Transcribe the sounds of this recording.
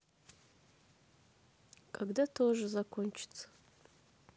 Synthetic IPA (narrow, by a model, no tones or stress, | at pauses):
kʼaɡdatʰoʐɨzakʷʰont͡ʃʰt͡sʰ